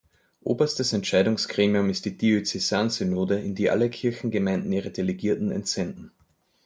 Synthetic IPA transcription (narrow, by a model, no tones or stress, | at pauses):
ʔo̰ːbɐstəsɛntt͡ʃaɪɾʊŋskʁ̥eːmiʊmɪst̚d̥iːd̥iøt͡sesaːnsynoːdəɪndiːʔa̰ləkʰɪɐçn̩ɡəmãɪ̃ndn̩iːʁədeleɡiːɐtn̩ɛ̰ntz̥ɛndn̩